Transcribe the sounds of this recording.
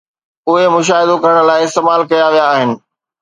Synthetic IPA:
ʊɦemʊʃ̬aːɦɪd̪okɐɾəɽ̃̆laːɪɪst̪eːmaːlkɐjaʋijaːɦɪnɪ̆

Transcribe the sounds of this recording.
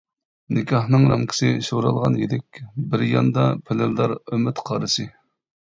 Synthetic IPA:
nɪkʲʰɑhnɨŋɾɑmkʲʰsɪʃoɾɑlˠʁɑnjilɪk̚ʲbɪɾjɑ̰nd̪ɑpʰɪlɪld̪ɑɾømɪt̪qʰɑɾɨsɨ

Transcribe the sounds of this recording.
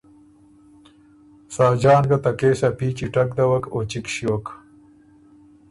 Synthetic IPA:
saːd͡ʑɑːnɡɐt̪ɐkeːsapiːt͡ɕiʈɐkd̪ɐwɐkot͡ɕikɕiwok

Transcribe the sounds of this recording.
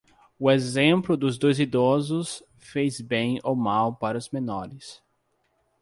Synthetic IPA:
ʊezẽmplʊd̪ʊzd̪ojzid̪ɔzʊs | fejzbẽj̃omawpaɾɐʊzmenɔɾɪs

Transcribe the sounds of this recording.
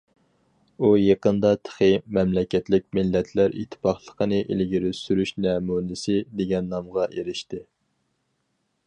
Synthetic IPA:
ujeqənd̪ɑt̪ʰə̥χɨmɛmlɛkʲɛt̪lɪk̚ʲmɪlːɛt̪ʰlæɾḭt̪ʰːɪ̥pʰɑχlˠəqʰənɨʔḛlɡʲiɾysyɾyʃnɛmunɪsɪd̪eɡʲɛnːɑmʁɑʔeɾɪʃt̪ɪ

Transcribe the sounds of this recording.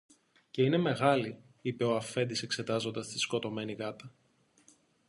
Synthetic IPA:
ce̞ine̞me̞ɣɐli | ipe̞oɐfe̞nd̪ise̞kse̞t̪ɐzo̞nd̪ɐst̪i̥sko̞t̪o̞me̞nikɐt̪ɐ

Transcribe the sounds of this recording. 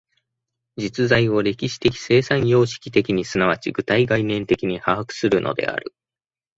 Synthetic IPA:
d͡ʑit͡sɨzaio̞ɾe̞kʲiɕi̥t̪e̞kʲi̥se̞ːsãɰ̃jo̞ːɕi̥kʲi̥t̪e̞kʲiɲ̟isɨnaβat͡ɕiɡɯ̟t̪aiɡainẽ̞nt̪e̞kʲiɲ̟ihaɦakɯ̟̥sɨɾɯ̟nʔo̞̰d̪e̞̰a̰ɾɯ̟̰

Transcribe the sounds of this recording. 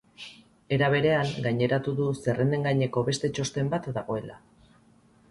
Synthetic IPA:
e̞ɾaβ̞e̞ɾe̞aŋɡajɲe̞ɾat̪uðuse̞rend̪e̞ŋɡaɲe̞ko̞βe̞st̪e̞t͡ʃo̞st̪e̞mbat̪d̪aɣ̞o̞e̞la̰

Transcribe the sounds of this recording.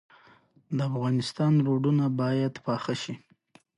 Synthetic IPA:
d̪əafɣɑnɪst̪ɑnɾoɖunabɑjad̪pɑxəʃi

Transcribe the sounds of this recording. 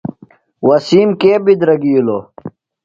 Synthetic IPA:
wɐsiːmkeːbid̪ɾɐɡijulo

